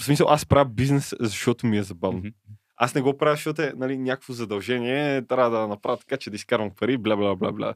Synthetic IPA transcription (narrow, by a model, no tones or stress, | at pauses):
smisɐlˠʔaspɾavbiznɛszɐʃɔt̪omiɛzɐbavno | asnɛɡɔpɾavʃɔt̪ɛnalinʲjakokvozɐd̪ɐlˠʒɛniɛt̪ɾʲavɐd̪ɐnɐpɾavɐt̪kat͡ʃɛd̪ɐiskaɾvɐmpɐɾiblʲablabla̰bla̰